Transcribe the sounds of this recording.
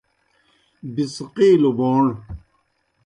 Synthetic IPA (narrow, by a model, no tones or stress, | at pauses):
bisqiːloboːɳ